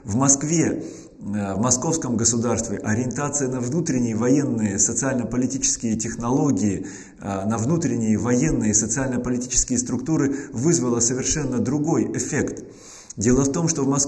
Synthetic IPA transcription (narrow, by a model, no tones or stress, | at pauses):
vmɐskvʲe | vmɐsko̞fskəmɡəsʊd̪arst̪vʲɪʔɐɾʲɪɪnt̪at̪sɨjənəvnut̪ɾʲɪnʲɪjəvɐje̞nːɨjəsət̪sɨalʲnəpəlʲɪtʲit͡ɕɪ̥skʲɪjətʲɪxnɐlˠo̞ɡʲɪjɪ | nəvnut̪ɾʲɪnʲɪjəvɐje̞nːɨjəsət̪sɨalʲnəpəlʲɪtʲit͡ɕɪ̥skʲɪjəst̪ɾʊkt̪uɾɨvɨzvəlˠəsəvʲɪrʂɛnːəd̪ɾʊɡo̞jɪfʲe̞kt̪ | dʲe̞lˠəft̪o̞mʂt̪o̞vmɐs